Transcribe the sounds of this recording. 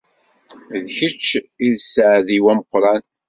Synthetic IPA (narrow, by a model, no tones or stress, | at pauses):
ðçət͡ʃːiðsʕðiwæməqːɾˤɑn